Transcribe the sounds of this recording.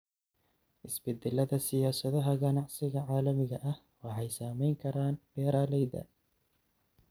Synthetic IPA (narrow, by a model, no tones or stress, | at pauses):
ʔɪsbɪd̪ɪlːɐd̪ɐsɪjaːsɐðɔɦɐɣɐnɑʕsɪɣɐʕaːlɐmɪɣɐʔɐh | wɑħɛjsaːmɛjŋkʰɐɾaːnb̥ɛːɾaːlɛjd̪ɐ̰